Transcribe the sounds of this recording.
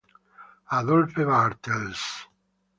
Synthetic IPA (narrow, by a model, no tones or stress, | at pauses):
aðolfeβaɾt̪els